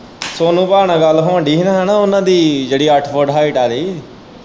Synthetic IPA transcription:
soːnũːpaːɳãːɡəlːɦoə̃ɳɖiːɦnaːɦɛːnaːʊnãːd̪iːd͡ʒeːɽiːəʈʰpəɖɦaːiʈaːɾiː

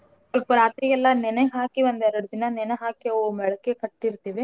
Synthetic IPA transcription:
sɐlpuɾaːt̪ɾijɛlːɐnɛneɦaːkiʋɐnd̪ɛɾɐɽud̪inɐnɛneɦaːkiɔʋɐmɛɭɐkːekɐʈːiɾt̪iːʋe

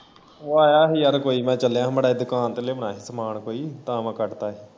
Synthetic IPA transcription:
oːaːjaːɦiːəɾkoːiːmɛ̃ːt͡ʃəljãːməɽaːd̪ʊkaːnt̪eleːmənaːɦiːsəmaːɳkoːiːt̪ãːmãːkəʈt̪aːɦiː

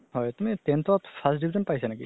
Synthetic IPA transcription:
ɦɔjt̪umitent̪ʰatpʰasdibʱizɔnpajsanakḭ

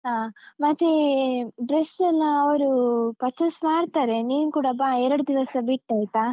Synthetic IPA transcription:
ɦaːmɐt̪ːeɖɾesɐnːɐːʋɐɾupɐt͡ʃːɐsmaːɽt̪aːɾeniːnukuːɽɐbaːɛɾɐɽud̪iʋɐsɐbiʈːaːjt̪aː

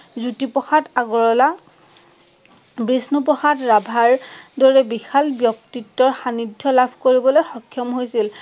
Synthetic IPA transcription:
zutipɔxataɡɔɹɔla | bɹisnupɔxatɹabʱaɹdɔɹɛbixalbjɔk̚titːɔɹxanidʱːɔlabʱkoɹibɔlojxɔkʰːjɔmɦojsil

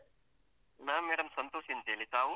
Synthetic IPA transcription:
naːmeːɽɐmsɐnt̪oːsint̪eːlit̪aːʋu

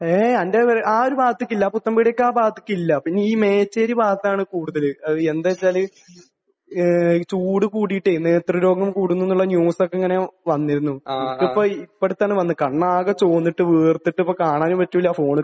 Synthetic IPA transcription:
eɐndeʋɐɾʔaːoɾubaːt̪ːikʲːilːɐput̪ːɐmbiɽɐjokːaːbaːt̪ːi̥kʲːilːɐpinːiːme̞ːt͡ɕːeɾibaːt̪ːaːɳɨkuːɽuðɐlɨɐðɨend̪et͡ɕːaːlɨ | t͡ɕuːɽɨkuːɽijʈːenːeːt̪rɨɾo̞ːɡɐmkuːɽunːinːuɭːɐnjuːsokːeŋːɐne̞ʋɐnːiɾunːuikːipːoipːeɽut̪ːaːɳɨʋɐnːɨkɐɳːaːɣɐt͡ɕo̞ːnːiʈːɨʋiːrt̪ːiʈːɨipːokaːɳaːnumpɐtːuʋilːafo̞ːɳɨ

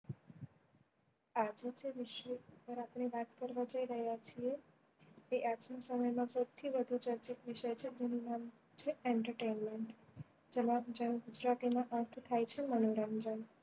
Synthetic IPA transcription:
ad͡ʒd͡ʒeʋiʃəpəɾapɳ̃eʋat̪kəɾʋad͡ʒəiɾəɦjat͡ʃʰie | eʔad͡ʒnasəməjmãsəwt̪ʰiʋəd̪ʱut͡ʃəɾt͡ʃik̪ʋiʃəjt͡ʃʰed͡ʒenunam | t͡ʃʰeɛɳʈəɾʈenmeɳʈ | d͡ʒemãd͡ʒənɡud͡ʒɾat̪imãʔəɾt̪ʰt̪ʰajt͡ʃʰemənoɾamd͡ʒən

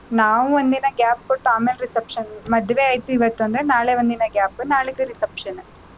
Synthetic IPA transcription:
naːʋuond̪inɐɡʲaːpkoʈːaːmeːleɾisɐpʂɐnmɐd̪ʋeaːjt̪uiʋɐt̪ːuɐnd̪ɾenaːɭeʋond̪inɐɡʲaːpːnaːɭeɡeɾisɐpʂɐn

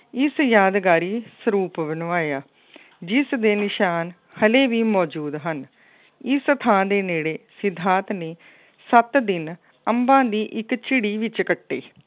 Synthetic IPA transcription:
ɪsjaːd̪ɡaːɾiːsəɾuːpʋənʋaːjaː | d͡ʒɪsd̪eːnɪʃaːn | həleːʋiːmɔːd͡ʒuːd̪ɦən | ɪst̪ʰãːd̪eːneːɽeːsɪd̪ʱːãːt̪neː | sət̪d̪ɪn | əmbãːd̪iːʔɪkt͡ʃɪɽiːʋɪt͡ʃkəʈːḛː

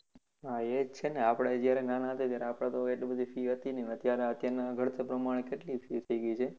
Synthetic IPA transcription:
ɦaed͡ʒt͡ʃʰeneapɽed͡ʒjaɾenanaɦət̪et̪jaɾeapɽ̃ãt̪oeʈlibəd̪ʱifiɦət̪inenət̪jaɾeət̪jaɾnaɡʱəɽt̪ʰepɾəmaɽ̃ekeʈlifit̪ʰəiɡəit͡ʃʰe

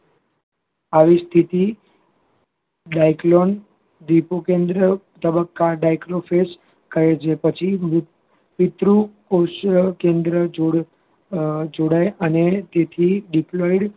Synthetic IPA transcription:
aʋist̪ʰit̪i | ɖajklon | d̪ipokẽnd̪ɾə | t̪əbəkːaɖajkɾofes | kəɾet͡ʃʰepət͡ʃʰi | ʋɪt̪ɾukoʃkend̪ɾəd͡ʒoɽ | d͡ʒoɽajʔənet̪et̪ʰiɖiploiɽ

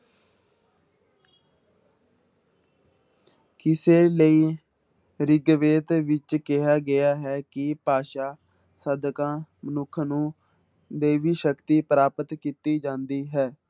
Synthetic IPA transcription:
kɪseːləiː | ɾɪɡʋeːt̪ʋɪt͡ʃkɪɦaːɡɪjaːɦɛːkɪpaːʃaː | səd̪kãːmənʊkʰnũː | d̪eːʋiːʃəkt̪iːpəɾaːpət̪kit̪iːd͡ʒãːnd̪iːɦɛː

